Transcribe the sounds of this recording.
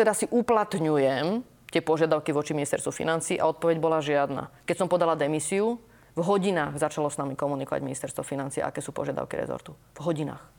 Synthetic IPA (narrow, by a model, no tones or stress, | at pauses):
t̪ɛd̪asiʔuplat̪ɲujɛm | t̪ɪɛpɔʒɪad̪aʊkiʋɔt͡ʃiminist̪ɛɾst̪ʋufḭnant͡siːʔaɔt̪̚pɔʋɛɟbɔlaʒɪad̪na̰kɛcsɔmpɔd̪alad̪ɛmisiu | vɦɔɟinaːɣzat͡ʃalɔsnamikɔmunikɔʋa̰ɟminist̪ɛɾst̪ʋɔfinant͡siːɛ̰a̰ʔa̰kɛːsuːpɔ̰ʒɪad̪a̰ʊkḭɾɛ̰zɔ̰ɾt̪u | vɦɔɟina̰ːx